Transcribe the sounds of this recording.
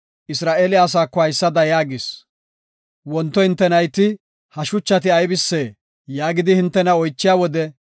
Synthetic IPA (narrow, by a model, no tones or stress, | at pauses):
ʔɪsɾaːʔeːlɪaːs̬aːkːɔhɐjsːɐd̪ɐjaːɡɪs | wɔnt̪ːɔhɪnt̪ːɛnɐjt̪ɪ | hɐʃʊt͡ʃːɐt̪ɪɐjbɪsːeː | jaːɡɪd̪ɪhɪnt̪ːɛnɐɔjt͡ʃːɪjaːwɔd̪ɛ